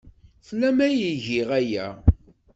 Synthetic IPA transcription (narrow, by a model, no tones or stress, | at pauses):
θlæmæjiʝiʁæjæ̰